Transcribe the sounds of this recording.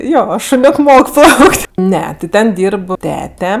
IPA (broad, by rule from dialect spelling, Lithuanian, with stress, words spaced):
ˈjoː ʃoːˈnʲoːk ˈmoːk ˈplˠɐʊkʲtʲ ˈnʲɛ tʲɪ ˈtʲɛn ˈdʲiːrp ˈtʲæːtʲɛ